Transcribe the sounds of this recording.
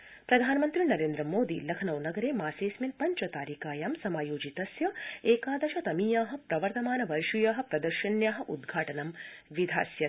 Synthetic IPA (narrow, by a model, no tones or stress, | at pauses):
pɾɐd̪ʱaːnmɐnt̪ɾinɐɾeːnd̪ɾɐmoːd̪ilɐkʰɐnɐwnɐɡɐɾeːmaːseːsminpɐɲt͡ʃɐt̪aːɾiːkaːjaːmsɐmaːjoːd͡ʒit̪ɐsjɐeːkaːd̪ɐʃɐt̪ɐmijaːɦɐ̆pɾɐʋɐɾt̪ɐmaːnɐʋɐɾʃujaːɦɐ̆pɾɐd̪ɐɾʃɐnjaːɦɐ̆ʔud̪ɡʱaːʈɐnɐmʋid̪ʱa̰ːsjɐ